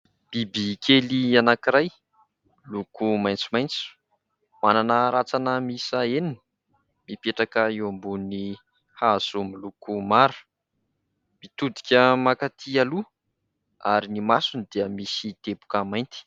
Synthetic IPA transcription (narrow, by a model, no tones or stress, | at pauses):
b̥ibikʰelianakiɾaj | lukumajnt͡su̥majnt͡su̥ | mananəɾat͡sanəmisaenini | mipeʈ͡ʂakəewambuni | haz̥umilukumaɾu̥ | mit̪ud̪i̥kʲəmakat̪ʰialu | aɾinimasunid̪iəmisit̪ebu̥kəmajnt̪i̥